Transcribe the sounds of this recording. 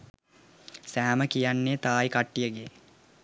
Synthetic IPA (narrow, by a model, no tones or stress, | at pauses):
sæːməkijanːeːt̪aːjkaʈːijəɡe